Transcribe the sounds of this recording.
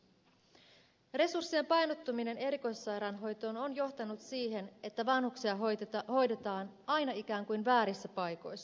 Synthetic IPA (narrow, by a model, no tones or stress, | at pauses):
re̞sursːie̞mpɑjnot̪ːumine̞ne̞ɾiko̞jsːɑjɾɑnɦo̞jt̪o̞ːnonjo̞ht̪ɑnut̪siːɦe̞ne̞t̪ːæʋɑnhuksiɑho̞jdet̪ɑːn | ɑjnɑik̟æːŋkujnʋæːɾisːæpɑjko̞jsːɑ